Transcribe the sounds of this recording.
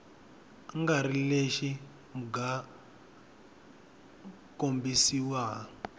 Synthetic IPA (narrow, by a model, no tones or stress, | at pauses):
ŋɡaɾileʃi | muɡa | kombisiwa